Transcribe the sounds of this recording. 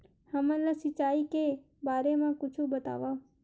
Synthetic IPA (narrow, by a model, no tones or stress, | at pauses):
həmãlasit͡ʃaike | baɾemãkʊt͡ʃʰũbət̪a̰ʋa